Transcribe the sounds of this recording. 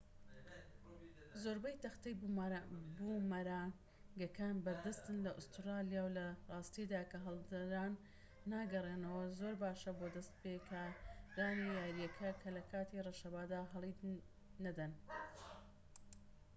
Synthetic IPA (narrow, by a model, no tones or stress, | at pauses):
zoɾbɐjt̪ɐxt̪ɐj | bumɐɾaːŋ | ɡɐkʰaːnbɐɾd̪ɐst̪ɨnlɐʔʊst̪ɾɑːlijaːwlɐrˤɑːst̪id̪aːkɐɦɐlˠd̪ɐɾaːnː | aːɡɐreːnɐwɐzoːɾbaːʃɐbod̪ɐst̪̚pekʰɐd̪aːnijaːɾijɐkʰɐkʰɐlɐkʰaːt̪ireʃɐbaːd̪aːɦɐlˠi | nɐd̪ɐn